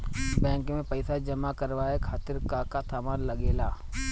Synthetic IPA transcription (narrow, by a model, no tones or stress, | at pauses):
bɛ̃ːŋkmẽpɐɪsad͡ʒɐmakɐɾʋaːekʰaːt̪ɪɾkakat̪ʰamaːlɐɡeːlaː